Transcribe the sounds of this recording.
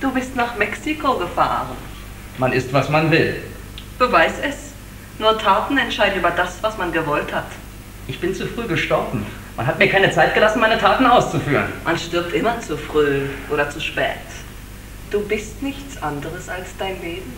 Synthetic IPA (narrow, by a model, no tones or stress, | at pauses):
d̥uːbɪstnaːχmɛksikʰoɡəfa̰ːʁən | manɪstv̥asmanvɪl | b̥əvaɪsɛs | nuːɐtʰaːtn̩ɛntʃaɪdn̩ʔyːbɐdasv̥asmanɡəvɔlthat | ʔɪçb̥ɪnt͡sufʁ̥yːɡəʃtɔɐbm̩ | ma̰nɦat̚miːɐkʰaɪnət͡saɪt̚ɡ̥əlasn̩maɪnətʰaːtn̩aʊst͡sufyːʁə̰nmʔanʃtɪɐp̚tʔɪmɐt͡sufʁ̥yːʔoːɾɐt͡suʃpɛ̰ːt | d̥uːbɪstnɪçt͡sʔandəʁəsalsd̥aɪnleːbm̩